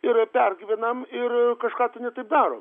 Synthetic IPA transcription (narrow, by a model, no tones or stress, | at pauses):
ɪɾpʲɛrʲɡʲiːʋʲɛnɐmɪrkɐʃkɑːt̪ʊnʲɛt̪ɐɪp̚d̪ɑːɾo̰ː